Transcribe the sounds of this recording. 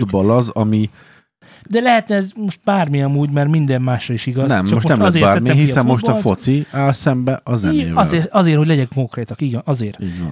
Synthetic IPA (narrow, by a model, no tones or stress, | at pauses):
d̪bɒlɒzɒmi | d̪ɛlɛɦɛt̪nɛɛzmo̞ʃt̪̚baːrmiɒmuːɟmɛrmind̪ɛmːaːʃrɒiʃiɡɒzɛmt͡ʃːɔoʃtmonɛmɒzeːaːɾɛmiɛɦisɛmmoʃt̪ɒfot̪siaːlsɛmbɛʔɒzɛ̰eːvɒleːɒzeːrhoɟlɛɟɛŋko̞ŋkreːt̪ɒkiɡɛnɒzeːriːɟʋɒ̰n